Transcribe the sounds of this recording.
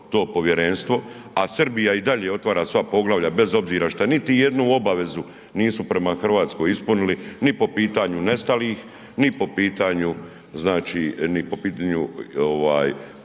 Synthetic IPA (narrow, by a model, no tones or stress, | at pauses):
t̪o̞ːpo̞ʋje̞ɾe̞nst̪ʋo̞ | asr̩bijaid̪aʎe̞o̞t̪ʋaːɾaːsʋapo̞ɡlaʋʎabe̞zo̞bziːɾaʃt̪anit̪ije̞d̪nuo̞baʋe̞zu | niːsupɾe̞maxr̩ʋaːt̪sko̞jispunilinipo̞piːt̪aɲune̞st̪aliːx | nipo̞piːt̪aːɲu | znaːt͡ʃiːnipo̞piːt̪aːɲuoʋa̰ːj